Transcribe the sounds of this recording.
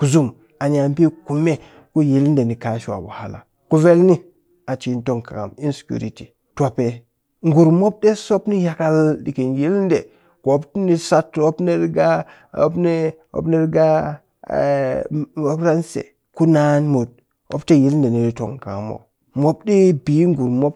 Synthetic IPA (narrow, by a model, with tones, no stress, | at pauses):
ku˨zu˦m | a˨ɲa˨mpi˦ku˨me˦ | ku˦ji˦lnde˨ni˨ka˨ʃwa̰˨ba̰˨ha˨la̰˨ | ku˦ve˦lni˦ | a˨t͡ʃi˨˦nto˦˨ŋka̰˨ŋa̰˨mi˦nsi̥˨kṵ˨ɾi˨ti˨ | twa˨pe˨ | ŋɡu˨ɾmo˦b̚de˦so˦pni˦ja˨ka˦ldi˨ki˨nji˦lnde˨ | ko˨o˦ptni˦sa˦to˦pne˦ɾɡa˦ | o̰˦pne˦ | o̰˦pne˦ɾɡa˦ | mo˨˦kɾa˦nsḛ˨ | ku˦na˦nmo˨d̚ | o̰˦pte˦ji˦lnde˨ni˨ɾi˦to̰˨ŋka˨a̰˨mo̰˨ | mo˦bde˦bi˨˦ŋɡu˨ɾmo˦p̚